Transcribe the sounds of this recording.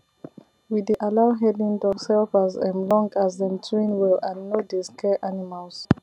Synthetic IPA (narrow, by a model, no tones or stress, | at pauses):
wideʔalaʊɦɛdĩntɔsɛlfazɛ̰̃mlɔ̃ŋɡazɛ̃ntʰɹĩnwɛlãnːodiskʰɛʔanimals